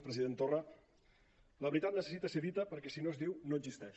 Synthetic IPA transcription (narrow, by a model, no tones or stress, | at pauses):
pɾəziðent̪orə | ləβɾit̪at̪nəsə̥sit̪əseðit̪əpəɾkɛsinoezðiwnoədzist̪ɛʃ